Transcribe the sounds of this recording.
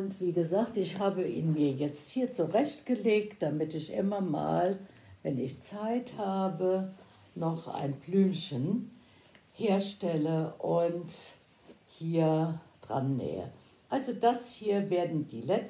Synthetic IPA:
ʊntv̥iːɡəzaːktɪçhaːbəʔḭːnmiːɐjɛt͡sthiːɐt͡suʁɛçtɡ̥əleːk̚t̚d̥amɪtɪçʔɪ̰mɐma̰ːlvɛnɪçt͡saɪthaːbə | nɔχʔa̰ɪnblyːmçən | heːɐʃtɛləʔʊnt | hiːɐd̥ʁa̰nːɛ̰ːə̰ | ʔalzodashiːɐveːɐdn̩dḭːlɛt͡s

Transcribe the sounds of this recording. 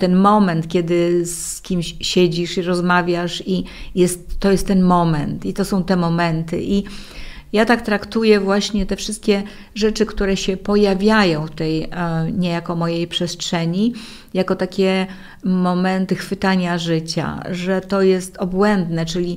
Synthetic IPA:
t̪ɛnmɔmɛnt̪kʲɛd̪ɘskʲimɕɕɛd͡ʑiʂiɾɔzmavʲjaʂijɛst̪ːɔjɛst̪ːɛnmɔmɛnt̪it̪ɔsɔ̃w̃t̪ɛmɔmɛnt̪ɘ̰ʔi | jat̪akt̪ɾakt̪ujɛvwaɕɲɛt̪ɛfʂɘst̪̚kʲɛ | ʐɛt͡ʂɘkt̪uɾɛɕɛpɔjavʲjajɔ̃w̃t̪ɛjɲɛjakɔmɔjejpʂɛstʂɛɲi | jakɔt̪akʲɛ | mɔmɛnt̪ɘxfɘt̪aɲaʐɘt͡ɕa̰ʐɛt̪ɔjɛst̪ɔbwɛnd̪nɛt͡ʂɘlʲi

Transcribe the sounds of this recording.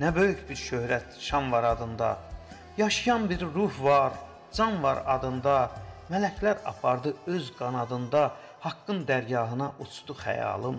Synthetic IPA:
næbø̞jycbiɾʃøhɾæt̪ʃɑnvɑɾɑd̪ɯnd̪ɑ̰ | jɑʃɯjɑnbiɾːuhvɑɾ | d͡ʒɑnvɑɾɑd̪ɯnd̪ɑmælæcʰlæɾɑ̰pʰɑɾd̪ɯøzɡɑnɑd̪ɯnd̪ɑ | hɑkːɯnd̪æɾjɑːɦɯnɑʔut͡ʃʰd̪̥uxæ̰jɑ̰ːlˠɯm

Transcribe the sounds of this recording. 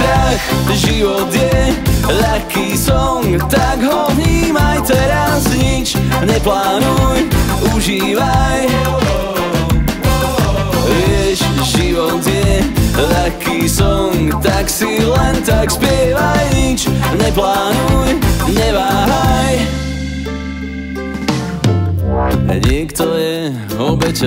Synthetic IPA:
ɾakʒiod̪jelakːisõt̪akhɔvimajt̪ɛɾazit͡ʃneplanuj | uʒi | vaj | eʃʒiod̪jelakʰːisɔwt̪aksilɛnt̪akspɪɛvajɲit͡ʃɲɛplaːnujɲɛvaɦaj | ɲɪɛkt̪ɔjɛ | ɔbɛt͡ʃ

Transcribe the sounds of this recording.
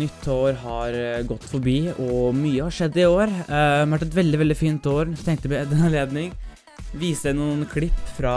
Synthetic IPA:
nʏt̪ʰːoːɾɦɑɾɡɔt̪ːfɔɾbiːɔmyːəhɑʂɛd̪ːɪoːɾʋæʈːɛt̪ʋɛld̪ɪʋɛld̪ɪfiːnt̪oːɾt̪ʰɛŋkt̪əpɔɛd̪ɛnɑnleːd̪nɪŋ | ʋiːsəænuːənkʰlɪpːfɾɑ

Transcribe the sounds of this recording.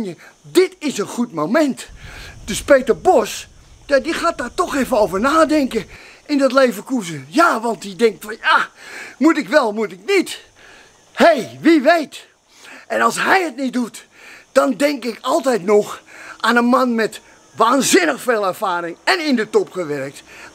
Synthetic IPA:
njədɪtɪsənxutmomɛntdøspeːtərbos | adixaːt̚daːrtoxeːvənoːvərnaːdɛŋkəʔɪndɔtleːvəkuzəjaːʋɑntdidɛŋk̚tfɔnjaːmutɪkʋɛlˠmutɪknit | hejʋiʋejt | ʔɛnɑlˠsɦɛjət̚nit̚dut | d̥ɔndɛŋkɪkɔlˠtɛjtnɔxʔanəmanmɛt | ʋaːnzɪnəxfeːlˠɛrfaːɾɪŋɛnɪndətɔpxəʋɛrək̚t

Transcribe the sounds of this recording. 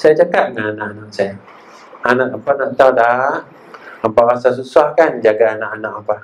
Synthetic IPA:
sajad͡ʒakaʔ̚ŋananãʔanaʔsaja | anaʔapanaʔt̪awda | abaʔasas̬usahkand͡ʒaɡaːnaʔanaʔapah

